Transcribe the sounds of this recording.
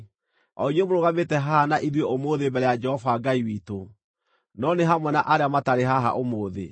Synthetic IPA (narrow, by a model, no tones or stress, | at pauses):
ɔ̰inemoɾoɣametɛɦahanaʔiðweomoːðebɛɾɛjad͡ʒɛhɔvaɡaiwiːto | nɔneɦamwɛnaʔaɾeamataɾeɦaɦa̰ʔomoːðḛ